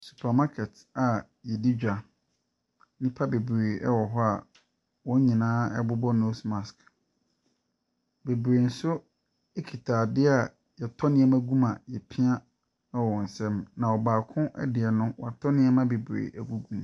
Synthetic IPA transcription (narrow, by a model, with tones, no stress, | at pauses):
su̥˨pʰa˨ma˦kʰɛ˨t | a˨ | jɛ˨di˦d͡ʑᶣa˨˦ | nĩ˦pʰa˦be˨bɾeː˨ɛ˦wɔ˨ɦɔ˦a̰˨ | wɔ̃˦ɲĩ˨nãː˦ɛ˦bʊ˦bɔ˦no˦smã˨sk | be˨bɾeː˨n̩˦sʊ˦ | ɛ˦kʰi˨tʰaː˨dɪ˦a˨ | jɛ˨tʰɔ˦nɪ̃˦ɛ˦mæ̃˦ɡũ˦mã˨jɛ˨pʰɪ̃˦ã˦ | ɛ˦wɔ̃˨n̩˨sɛ̃˦mnã˨ɔ˨baː˨kʰʊ̃˦ʔɛ̰˦dɪ˨ɛ˨nʊ̃˦wɔ̰˨a˨tʰɔ˦nɪ̃˦ɛ˦mã˦be˨bɾḛ˨ʔæ˨ɡu˦ɡũ˦˨m